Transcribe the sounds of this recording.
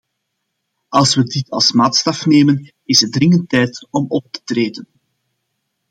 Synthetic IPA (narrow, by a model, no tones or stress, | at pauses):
ɑlˠswədɪtʰɑ̰lˠsmaːtstɑfneːmən | ɪsədɾɪŋəntɛjtɔmɔp̚tə̥treːdən